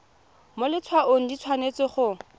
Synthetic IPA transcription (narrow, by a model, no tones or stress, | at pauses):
molɪt͡sʰwaʔoŋ̩dit͡sʰwanet͡sɪχʊ